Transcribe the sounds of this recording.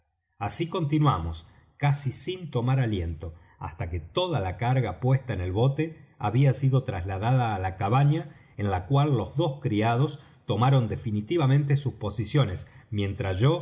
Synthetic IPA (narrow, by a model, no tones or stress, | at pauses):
asiko̞nt̪inwamo̞s | kasisint̪o̞maɾalje̞nt̪o̞ | a̰st̪aket̪o̞ðalakaɾɣapwest̪aene̞lβo̞t̪e̞a̰βiasiðo̞t̪ɾazlaðaðaːlakaβaɲa | enlakwalːo̞zðo̞skɾiað̞o̞s | t̪o̞maɾo̞nd̪efinit̪iβamẽ̞nt̪̬e̞suspo̞sisjo̞ne̞smjẽ̞nt̪ɾazʒo̞